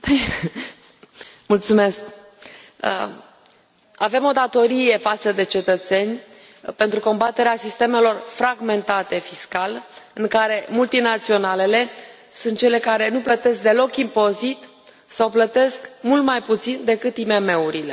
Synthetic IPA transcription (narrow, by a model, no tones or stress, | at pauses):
mult̪sume̞sk̚ | ave̞mo̞d̪at̪o̞ɾije̞fat̪səd̪e̞t͡ʃe̞t̪ət̪se̞nʲ | pe̞nt̪ɾuko̞mbat̪e̞ɾeasist̪e̞me̞lo̞rfɾaɡme̞nt̪at̪e̞fiskalɨŋkaɾe̞mult̪inat̪sio̞nale̞le̞ | sunt̪̚t͡ʃe̞le̞kaɾe̞nuplət̪e̞sk̚d̪e̞lo̞kimpo̞zit̪ | sawplət̪e̞skmult̪majput̪sind̪e̞kɨt̪ime̞me̞uɾile